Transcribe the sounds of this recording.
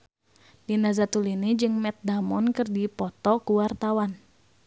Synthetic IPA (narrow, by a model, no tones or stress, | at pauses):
dinazat̪ulinid͡ʒɨŋmɛt̪̚damɔnkɨrdipɔt̪ɔkuwart̪awan